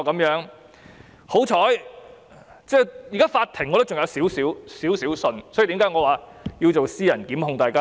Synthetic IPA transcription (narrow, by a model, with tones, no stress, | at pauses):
kɐ˨˧˥mjœː˨˥ŋ | ho˨˥wt͡ʃʰɔː˨˥j | t͡sɛː˥˧jːkaː˥faː˧t̪ʰɪ˨˩ŋɔː˨˧t̪o˥wt͡sʊ˨ŋjɐ˨˧wsiː˨˥wsiː˨˥wsiː˨˥wsiː˨˥wsɵ˧nsɔ˨˥ji˨t̪i˨˥ŋkaː˨˥jŋɔː˨˧waː˨˩jiː˧wt͡so˨wsiː˥jɐ˨˩nkiː˨˥mɦʊ˧ŋt̪aː˨˩jkaː˥